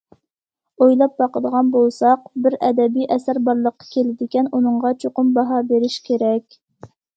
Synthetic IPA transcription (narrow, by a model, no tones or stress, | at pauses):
ojlˠɑp̚bɑqəd̪əʁɑnbolˠsɑqbɪɾɛd̪ɛbijʔɛsæɾbɑɾlˠəqːɑ̥kʲʰelɪd̪ɪkʲɛnunɨɴʁɑt͡ʃʰoqʊmbɑɦɑbeɾɪʃkʲʰeɾɛkʲ